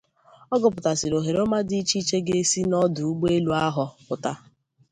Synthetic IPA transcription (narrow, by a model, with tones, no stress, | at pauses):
ɔ˦ɡʊ˨pʊ˨ta˨sɪ˨ɾo˨ɦe˨ɾo˦ma˦di˦t͡ʃi˦t͡ʃe˦ɡe˦si˦nɔ˦dʊ˨u˦ɡ͡be˦lu˦a˦ɦɔ˨pʊ˨ta˨